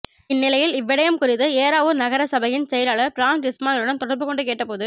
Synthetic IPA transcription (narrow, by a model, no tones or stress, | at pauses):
ɪnːɪlɐjɪlɪʋːɪɽɐjɐmkʊɾɪðɯeːɾaːʋɯnɐɣɐɾɐsɐbɐjɪnsɛjɐlaːɭɐpɾaːŋd͡ʒɪsmaːnɯɽɐnt̪ɔɽɐɾbɯkɔɳɖɯkeːʈːɐpoːðɯ